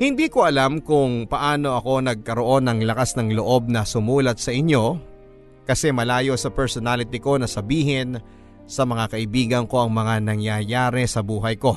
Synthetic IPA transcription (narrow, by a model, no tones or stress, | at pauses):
hɪnd̪iːkoʔɐlamkʊŋpɐʔaːno̞ʔɐko̞nɐɡ̚kɐɾo̞ʔo̞nɐŋlɐkasnɐŋlo̞ʔo̞b̚nɐsʊmuːlɐt̪̚sɐʔɪɲjo̞ | kɐsɛmɐlaːjo̞sɐpɛɹsonalɪt̪ɪko̞nɐsɐbiːɦɪn | sɐmɐŋakɐʔɪbiːɡɐnko̞ʔɐŋmɐŋanɐŋjajaːɾɛsɐbuːɦɐjko̞